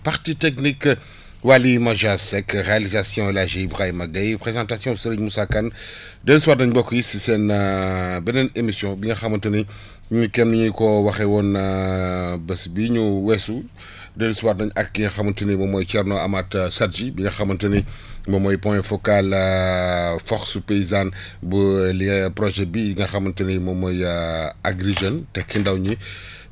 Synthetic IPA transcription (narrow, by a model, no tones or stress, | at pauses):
paʁtitɛknik | walimɐʒasɛkʁealizasjɔ̃ɛlaʒeibʁajmɐɡɐjpʁezɑ̃ːtasjɔ̃səɾəɲmusakɐn | dɛliswaːtnɐɲbɔkːjisisɛn | bɛnɛnemisjɔ̃biɲɐxɐmɐntuni | biɲukɛmniɲikɔwɐxɛwɔn | bɛsbiɲuwɛsu | dɛliswaːt̚nɐɲɐk̚ːiŋɡɐxɐmɐntənimɐmɔːjkɛɾnɔamatsatd͡ʒibiŋɡɐxɐmːɐntənimɐmɔjpɔ̃jɛfɔkal | fɔxsupeizan | bəliŋɐpɾɔʒɛbiŋɡɐxɐmɐntənimɐmɔjaɡɾiʒɛntɛkʰindawɲi